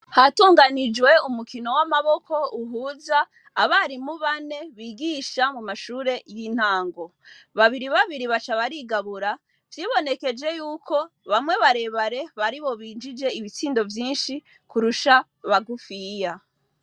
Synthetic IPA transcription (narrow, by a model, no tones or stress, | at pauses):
hatuːŋɡanid͡ʒwe̞umukino̞wamaβo̞kʰo̞uɦuːzaː | βaɾimuβane̞βiːɡiʃamumaʃuːɾe̞jiːn̥haːŋɡo̞ | βaβiɾiβaβiɾiβat͡ʃaβaɾiːɡaβuɾa | vjiːβo̞ne̞ke̞d͡ʒe̞juːkʰo̞ | βamŋwe̞βaɾe̞βaɾe̞βaɾiβo̞βiːnd͡ʒid͡ʒe̞iβit͡siːndo̞vjiːnʃi | kuɾuʃa | βaɡufija